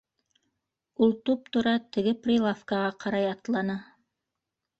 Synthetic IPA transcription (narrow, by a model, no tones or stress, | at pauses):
ulˠt̪up̚t̪ŏɾɑt̪ɘ̆ɡɘprʲilˠafkɑʁɑqɑɾɑjɑt̪lˠɑnɑ